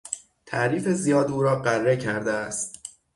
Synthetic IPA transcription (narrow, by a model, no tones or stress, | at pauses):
t̪ʰæ̰ʔɾiːfe̞zijɒːd̪uːɾɒːɢærːe̞cʰæɾd̪eæst̪